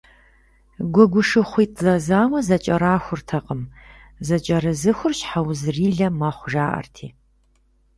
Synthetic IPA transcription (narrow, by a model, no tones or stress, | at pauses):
ɡʷʊɡʷʊʂɨχʷiːtʼzɐzaːwɐzɐt͡ʃʼɐɾaːxʷʊrtʰɐqʼəm | zɐt͡ʃʼɐɾɨzɨxʷʊrɕħawzɨriːɮɐmɐχʷʒaːʔɐ̰rtʰḭː